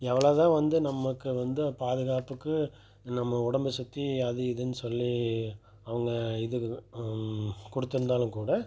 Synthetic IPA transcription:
ɛʋɐɭɐːt̪ãːʋɐnd̪ɯnɐmːɐkːɯʋɐnd̪ɯpaːðɯɣaːpɯkːɯ | nɐmːɐʊɽɐmbɐsʊt̪ːiɐðɯɪðɯnːɯsɔlːi | ɐʋɐŋɡɐɪðɯ | kʊɽɯt̪ːɪɾɯnd̪aːlɯ̃kuːɽɐ

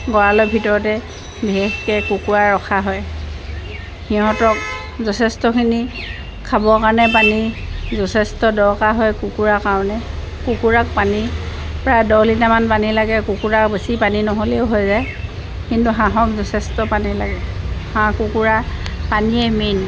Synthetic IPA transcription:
ɡɔɹalɔjbʱitɔɹɔtɛ | biɦexkɛkukuɹaɹɔkʰaɦɔj | xiɦɔ̃tɔk̚ | zɔtʰɛstɔkʰini | kʰːabɔkaɹnɛpanizɔtʰɛstɔdɔɹkaɦɔjkukuɹakaɹɔnɛ | kukuɹak̚panipɹajdɔlitamanpanilaɡɛkukuɹabesipaninɔɦoleʊɦojzaj | kintuɦãɦɔkzɔtʰɛstɔpanila̰ɡɛhãkukuɹapaniɛmin

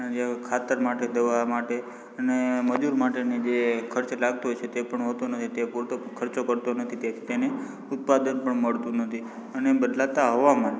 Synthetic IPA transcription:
d͡ʒekʰat̪əɾmaʈed̪əʋamaʈe | əneməd͡ʒuɾmaʈenid͡ʒekʰəɾt͡ʃlaɡ̚t̪oɦojt͡ʃʰet̪epəɳɦot̪onət̪ʰit̪epuɾt̪kʰəɾt͡ʃokəɾt̪onət̪ʰit̪ei̥t̪ene | ʊt̪̚pad̪ənpəɳməɭt̪ũnət̪ʰi | ənebəd̪lat̪aɦoʋamã

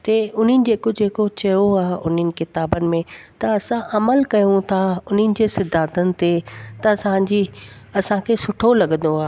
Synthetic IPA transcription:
t̪eʊn̤ənɪ̆d͡ʑeːkod͡ʑeːkot͡ɕɐjoaːɦʊn̤ənɪ̆kɪt̪aːbənɪ̆mẽt̪ɐɐsãʔɐməlkɐjũt̪ʰaʊn̤ənɪ̆d͡ʑeːsɪd̪ʱaːt̪ənɪ̆t̪et̪ɐɐsãd͡ʑiɐsãkʰeːsʊʈʰolɐɠə̃n̆d̪oaːɦ

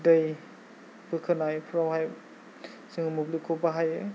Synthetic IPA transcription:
dɐj | bɯkʰɯnajpʰɾawhaj | siŋumublikʰobaɦaj

